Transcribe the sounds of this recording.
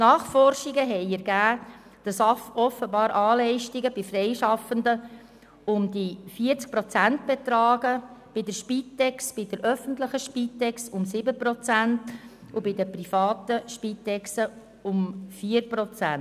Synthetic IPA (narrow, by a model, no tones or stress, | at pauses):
nɑːχfɔɾʃiɡəɦɛɪɛɾɡ̥æː | d̥ɑsɑfɔfəbɑːɾʔɑːlɛɪʃtiɡəbɪfɾɛɪʃɑfəndə | ʊmdifiːəɾt͡sk̚pɾɔt͡sænt̚b̥ɛt̪ɾɑːɡəb̥ɪdəʃpit̪ːɛksb̥ɪdəɾœfəntləχəʃpiːt̪ːɛksʊmsɪbəpɾɔt͡sænt | ʊbɪdəpɾifɑːtəʃpiːtːɛksə | ʊmfiːəɾpɾɔt͡sæn